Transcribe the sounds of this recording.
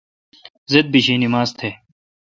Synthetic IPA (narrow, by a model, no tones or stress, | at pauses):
zed̪̚biɕiːnimaːzt̪ʰeː